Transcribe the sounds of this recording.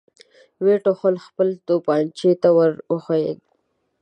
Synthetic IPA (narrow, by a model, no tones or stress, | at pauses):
weʈoxolxpəlt̪opɑnt͡ʃet̪awəɾwəxoḛɡ̚